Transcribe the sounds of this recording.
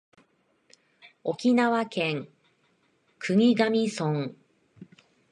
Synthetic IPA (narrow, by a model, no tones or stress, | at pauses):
o̞kʲinaβakẽŋ | kʰɯ̟ŋ̟iɡamʲisõŋ